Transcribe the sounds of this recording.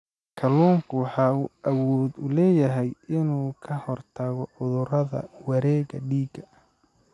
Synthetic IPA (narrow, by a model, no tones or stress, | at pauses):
kʰɐlɔːŋkʰʊwɑħɑːuʔɐwɔːd̪ʊlɛːjɐɦɛjɪnuːkʰɐhɔrt̪ʰɐɣɔʕʊðʊɾɐðɐ̰wɐɾɛːɣɐɖiːɡɐ